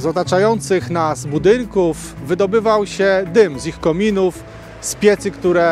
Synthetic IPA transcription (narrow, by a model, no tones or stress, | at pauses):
zɔt̪at͡ʂajɔnt̪sɘxnazbud̪ɘŋkuf | vɘd̪ɔbɘvawɕɛd̪ɘmzixkɔmʲinuf | spʲjɛt̪sɘkt̪uɾɛ